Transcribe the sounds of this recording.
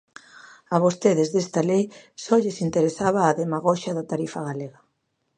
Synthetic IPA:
aβost̪eðezðest̪alejsɔʎesint̪eɾesaβ̞aːðemaɣɔʃaðat̪aɾifaɣaleɣa

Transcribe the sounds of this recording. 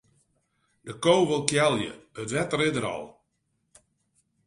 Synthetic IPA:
dəkoːʋəlˠkjɛlˠjə̰ətʋɛtrɪdəɾɔ̰lˠ

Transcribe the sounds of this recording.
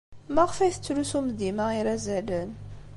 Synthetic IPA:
mæʁəfæjθə̥t͡sːlusumd̪imaiɾæzælən

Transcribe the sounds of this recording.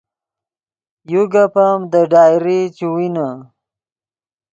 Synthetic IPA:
juɡapamd̪əɖaːjɾit͡ɕuwina

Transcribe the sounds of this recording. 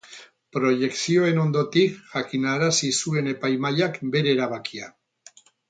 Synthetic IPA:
pɾo̞ʝe̞ksio̞e̞no̞nd̪ot̪ikʝakinaɾasisue̞ne̞pajmajakbe̞ɾeːɾaβ̞akia

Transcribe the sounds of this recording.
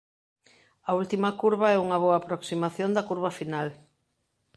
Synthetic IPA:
ɐult̪imɐkuɾβɐɛuŋɐβoaːpɾoksimaθjond̪ɐkuɾβɐfinal

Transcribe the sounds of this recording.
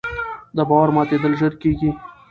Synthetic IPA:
d̪əbɑwaɾmɑt̪ed̪əlʒəɾkeɡi

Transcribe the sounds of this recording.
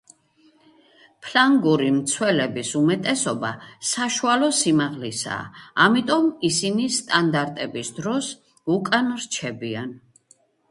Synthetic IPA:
pʰlaŋɡuɾimt̪sʰwɛlɛbisumɛt̪ʼɛsɔba̰saʃualɔsimaʁlisa̰ːmit̪ʼɔmisinist̪ʼand̪aɾt̪ʼɛbisd̪ɾɔs | ukʼanɔɾt͡ʃʰɛbian

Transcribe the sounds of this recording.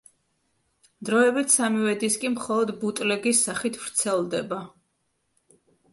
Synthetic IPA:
d̪ɾɔɛbit̪ʰsamiwɛd̪iskʼimχɔlˠɔd̪but̪ʼlɛɡisːaχit̪ʰvɾt̪sʰɛlˠd̪ɛba

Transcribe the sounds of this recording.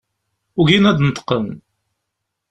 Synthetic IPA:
ʊʝinæd̪nət̪ə̥qːən

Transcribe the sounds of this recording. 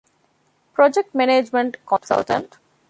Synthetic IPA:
pɾɔd͡ʒek̚ʈ̚mɛned͡ʒmẽɳʈkɔ̃nsə̰lʈə̰̃ɳʈ

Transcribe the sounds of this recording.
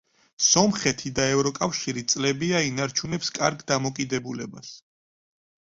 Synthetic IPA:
sɔmχɛt̪ʰid̪aɛvɾɔkʼafʃiɾit̪sʼlɛbiainaɾt͡ʃʰunɛpskʼaɾɡd̪amɔkʼid̪ɛbulɛbas

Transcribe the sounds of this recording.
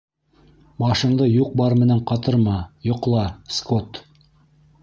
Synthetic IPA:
bɑʃɤ̆nd̪ɤjuq̚bɑɾmɘ̆næɴqɑt̪ɤɾmɑjŏqlˠɑskot̪

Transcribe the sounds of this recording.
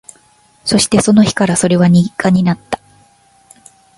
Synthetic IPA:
so̞ɕi̥t̪e̞so̞no̞çi̥kaɾaso̞ɾe̞βaɲ̟ĩkaɲ̟inat̪ːḁ

